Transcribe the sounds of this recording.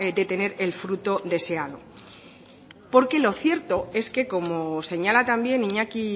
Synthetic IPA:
d̪e̞t̪e̞ne̞ɾe̞lfɾut̪o̞d̪e̞se̞aðo̞ | po̞ɾke̞lo̞θje̞ɾt̪o̞e̞ske̞ko̞mose̞ɲalat̪ambje̞niɲaki

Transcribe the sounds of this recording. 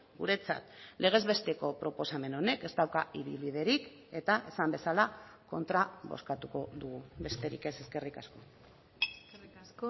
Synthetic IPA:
ɡuɾe̞t͡sa̰t̪le̞ɣ̞e̞zβe̞st̪e̞ko̞pɾo̞po̞same̞no̞ne̞ke̞st̪awkaiβilβið̞e̞ɾik | e̞t̪aʔe̞sambe̞salako̞̰nt̪ɾaβo̞̰skat̪uko̞ðuɣube̞st̪e̞ɾḭke̞se̞ske̞rikasko̞ | s

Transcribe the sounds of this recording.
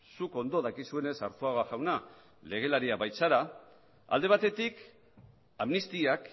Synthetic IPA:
suko̞nd̪o̞ðakisue̞ne̞sa̰ɾt̪oaɣaʝawna | le̞ɣ̞e̞laɾiaβajt͡saɾa | a̰ld̪e̞β̞at̪e̞t̪ik | amnist̪iak

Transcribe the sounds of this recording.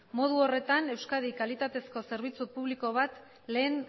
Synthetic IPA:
mo̞ð̞uo̞re̞t̪ane̞wskaðikalit̪at̪e̞sko̞se̞ɾβ̞it͡supuβliko̞βat̪ | le̞ːn

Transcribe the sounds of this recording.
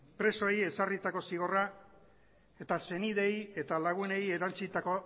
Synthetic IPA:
pɾe̞so̞eje̞sarit̪ako̞siɣ̞o̞ra | e̞t̪ase̞niðe̞je̞t̪alaɣ̞une̞je̞ɾant͡sit̪ako̞

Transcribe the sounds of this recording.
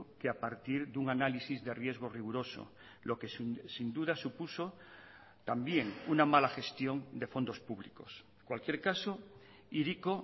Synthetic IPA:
keapaɾt̪iɾðuŋanalisizðe̞rje̞zɣ̞o̞riɣ̞uɾo̞so̰ | lokessind̪uðasupuso | t̪ambje̞ŋunamalaxe̞st̪jo̞ŋd̪e̞fo̞nd̪o̞spuβliko̞s | kwalkje̞ɾkaso | iɾiko

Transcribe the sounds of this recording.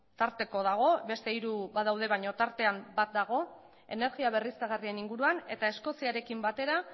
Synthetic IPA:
t̪aɾt̪e̞ko̞ðaɣ̞o̞βe̞st̪e̞iɾuβaðawð̞e̞βaɲo̞t̪aɾt̪e̞ambat̪̚d̪aɣ̞o̞ | e̞̰ne̞ɾɣiaβe̞riskaɣ̞arie̞niŋɡuɾuane̞t̪ae̞sko̞siaɾe̞kimbat̪e̞ɾa

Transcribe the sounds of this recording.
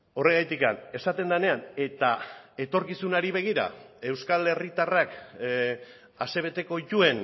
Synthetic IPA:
o̞re̞ɣajt̪ika̰ne̞sat̪e̞nd̪ane̞ane̞t̪ae̞t̪o̞ɾkisunaɾiβe̞ɣ̞iɾa̰e̞wskale̞rit̪arak | ase̞β̞e̞t̪e̞ko̞ʝue̞n

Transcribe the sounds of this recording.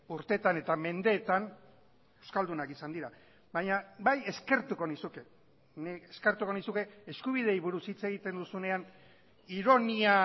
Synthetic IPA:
uɾt̪e̞t̪ane̞t̪ame̞nd̪e̞ːt̪an | e̞wskald̪unakisand̪iɾa | βaɲabaje̞ske̞ɾt̪uko̞nisuke̞ | nieske̞ɾt̪uko̞nisuke̞eskuβ̞ið̞e̞jβuɾusit͡se̞ɣ̞it̪e̞nd̪usune̞an | iɾo̞nia

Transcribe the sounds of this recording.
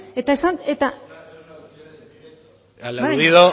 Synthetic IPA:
et̪aesanet̪a | lbaðiðo

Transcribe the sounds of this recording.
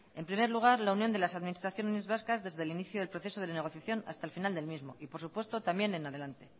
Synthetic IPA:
e̞mpɾime̞ɾluɣ̞aɾlaunjo̞nd̪e̞lasaðmĩnist̪ɾaθjo̞neezβaskazðe̞zðe̞liniθjoðe̞lpɾo̞θe̞so̞ðe̞ene̞ɣ̞o̞θjaθjo̞na̰st̪aelfinald̪e̞lmizmo̞ʔipo̞ɾsupwe̞st̪o̞t̪ambje̞nenaðe̞lant̪e̞

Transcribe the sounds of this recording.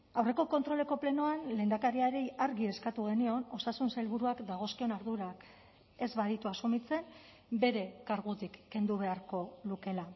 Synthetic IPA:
awre̞ko̞ko̞nt̪ɾo̞le̞ko̞ple̞noanle̞ːnd̪akaɾiaɾeaɾɣie̞skat̪uɣ̞e̞nio̞no̞sasunsailβuɾuakd̪aɣ̞o̞skio̞naɾðuɾak | e̞zβaðit̪uasumit͡se̞n | be̞ɾe̞kaɾɣut̪ikːe̞nd̪uβ̞e̞aɾko̞luke̞la

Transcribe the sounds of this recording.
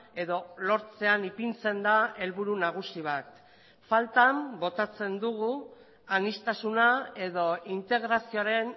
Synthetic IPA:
e̞ðo̞lo̞ɾt͡se̞anipint͡se̞nd̪ae̞lβuɾunaɣ̞usiβ̞at̪ | falt̪ambo̞t̪at͡se̞nd̪uɣu | anist̪asunae̞ðo̞int̪e̞ɣɾasio̞aɾe̞n

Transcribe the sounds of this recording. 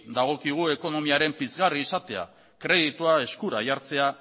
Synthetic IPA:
d̪aɣ̞o̞kiɣ̞ue̞ko̞no̞miaɾe̞mpizɣariːsat̪e̞a̰ | kɾe̞ðit̪uae̞skuɾa̰jaɾt͡se̞a

